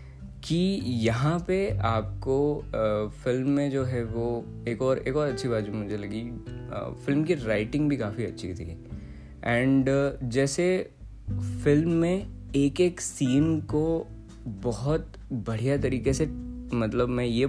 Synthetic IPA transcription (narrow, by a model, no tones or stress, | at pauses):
kijɐɦãpeaːp̚ko | fɪlmːẽd͡ʒoːɦɛʋo | eːkɔːɾeːkɔːɾɐtːʃʰibaːt̪bʱimʊd͡ʒʱelɐɡḭ | fɪlmkiɾaːɪʈɪ̃ŋɡbʱikaːfiɐtːʃʰḭt̪ʰḭ | ɛ̃ːɳɖd͡ʒɛːse | fɪlmːẽeːkeːksiːnko | bɔɦʊt̪ | bɐɽ̤ijat̪ɐɾiːkesemɐt̪ləbmɛ̃je